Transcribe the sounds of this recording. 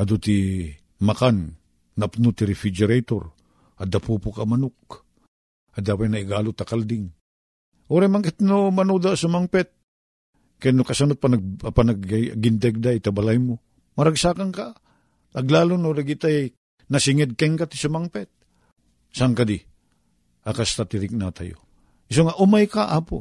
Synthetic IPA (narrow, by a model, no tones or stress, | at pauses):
ad̪ut̪i | makanː | apnut̪iɾɪfid͡ʒɛɾejt̪o̰ɾ | ad̪apupʊkamɐnʊk̚ | ad̪awajnaɪɡalʊt̪akald̪ɪŋ | ʔoɾɛmaŋkɪt̪nomɐnud̪asamaŋpɛt̪̚ | kanʊkasanot̪̚panapanaɡɡɪnd̪ɛɡ̚d̪ajt̪abalajmo | mɐɾaɡsakaŋka | ɐɡlaːlonoɾeɡit̪ajj | nasɪŋɛd̪̚kɛŋkat̪i̥samaŋpɛt̪̚ | saŋkad̪i | akast̪at̪ɪɾɪk̚nat̪a̰jo̰ | ɪsoŋaʔʊmajkaʔapo̰